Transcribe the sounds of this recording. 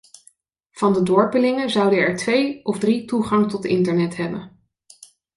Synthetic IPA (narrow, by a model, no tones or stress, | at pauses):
v̥ɑndədɔɹpəlɪŋəzʌwdənɛɹtʋejʔɔvdrituχɑŋtɔtɪ̰ntəɹnɛtɦɛbən